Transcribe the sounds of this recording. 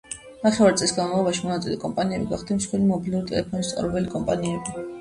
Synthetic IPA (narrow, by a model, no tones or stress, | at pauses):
naχɛvaɾt̪sʼlisɡanmavlˠɔbaʃimɔnat̪sʼilɛkʼɔmpʼaniɛbiɡaχd̪imsχwɛlimɔbilˠuɾit̪ʼɛ̰lɛpʰɔnist̪sʼa̰ɾɛbɛlikʼɔmpʼaniɛbi